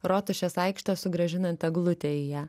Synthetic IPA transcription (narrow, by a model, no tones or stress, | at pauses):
ɾot̪ʊʃʲɛsɐɪkʃt̪oːsʊɡɾɐʒʲɪnɐnt̪ʲɐɡlˠʊt̪ʲeɪjæː